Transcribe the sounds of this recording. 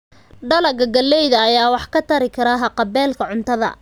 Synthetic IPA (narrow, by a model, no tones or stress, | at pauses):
ɖɐlɐɡɐɡɐlːɛjðɐːjaːwɑħkʰɐt̪ʰɐɾɪkʰɐɾɐɦɐqɑbɛːlkʰɐʕʊnt̪ʰɐðɐ̰